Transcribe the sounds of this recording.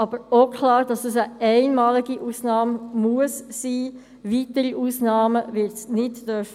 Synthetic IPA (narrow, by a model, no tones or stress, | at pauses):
ɑb̥əɾokʰlɑːɾd̥ɑsd̥usəɛɪnmɑːliɡiʔuːsnɑːmmuəssiː | vitəɾiʔuːsnɑːməvɪtsnɪtd̥œɾf